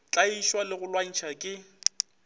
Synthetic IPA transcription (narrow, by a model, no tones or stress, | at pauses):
t͡ɬʼaiʃwalɪɣʊlwan̩t͡ʃʰakʼɪ